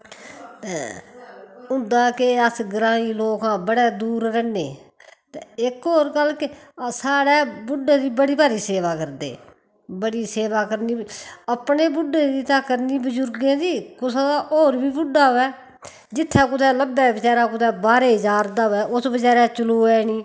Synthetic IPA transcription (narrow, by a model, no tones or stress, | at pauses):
t̪eː | ʊ̃nd̪aːkɪəsɡɾãːiːloːkãːbəɽɛːd̪uːɾɾɛːnḛː | t̪eɪkoːɾkəlkɪsaːɽɛːbʊɖːeːd̪iːbəɽiːbaːɾiːseːʋaːkəɾd̪ḛː | bəɽiːseːʋaːkəɾniːəpneːbʊɖːẽːd̪iːt̪ãːkəɾniːbʊd͡ʒʊɾɡẽːd͡ʒiːkʊsad̪aːʔoːɾbiːbʊɖːaːɛː | d͡ʒɪt̪ʰːɛːk̬ʊt̪ʰɛːləbːɛːbɪt͡ʃaːɾaːkʊt̪ʰɛːbaːɾeːɦəd͡ʒaːɾd̪aːʋɛːʔʊsbəd͡ʒaːɾɛːt͡ʃʊluːɛːniː